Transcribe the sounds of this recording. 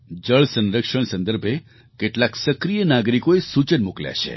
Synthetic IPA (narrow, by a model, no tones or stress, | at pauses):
d͡ʒəɭsə̃nɾəkʂəɳ̃sə̃nd̪əɾbʱe | keʈlaksəkɾijənaɡɾikoesut͡ʃənmuklja̰ʃʰḛ